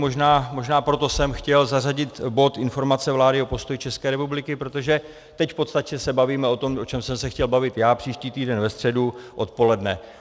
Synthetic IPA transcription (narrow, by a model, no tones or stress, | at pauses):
moʒnaːmo̞ʒnaːpɾo̞t̪o̞sɛmxcɛlzaraɟɪt̪bo̞t̪ʔɪnfo̞ɾmat͡sɛvlaːdɪo̞po̞st̪ojit͡ʃɛskɛːɾɛpublɪkɪpɾo̞t̪o̞ʒɛ | t̪ɛcfpo̞t̪st̪acɛsɛbaviːmɛo̞t̪o̞mo̞t͡ʃɛmsɛmsɛxcɛlbavɪt̪jaːpr̝̥iːʃciːt̪iːdɛnvɛst̪r̥ɛduʔo̞t̪po̞lɛdnɛ